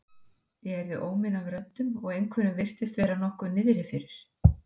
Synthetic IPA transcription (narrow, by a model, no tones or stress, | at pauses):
jɛɣɛɾðɪʔoːwmɪnavɾœt̪ːʏmɔɣejŋkʰvɛɾʏmvɪr̥t̪ɪst̪vɛːjɾanɔhkʏnɪðɾɪfɪɾɪɾ̥